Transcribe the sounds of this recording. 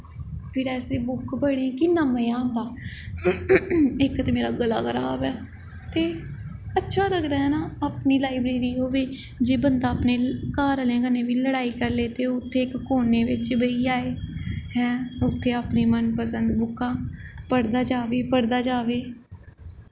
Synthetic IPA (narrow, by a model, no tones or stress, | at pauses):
pʰɪɾɛːseːbʊkbəɽ̃ẽːkɪnaːmeãːnd̪aː | ɪkt̪emeːɾaːɡəlaːɡəɾa̰ːbɛː | t̪eːətːʃʰaːləɡd̪aːɦɛːnaːaːpniːlaːɪbɾeːɾiːɦoːʋeː | d͡ʒeːbənd̪aːpneːkaːɾəlẽːɡəneːʋiːləɽaːiːkəɾleːt̪eːʊt̪ʰːeːɪkːoːneːʋɪt͡ʃbəiːaːeːɦɛːʊt̪ʰːeːaːpniːmənpəsənd̪bʊkʰːãːpəɽd̪aːd͡ʒaːʋeːpəɽd̪aːd͡ʒaːʋeː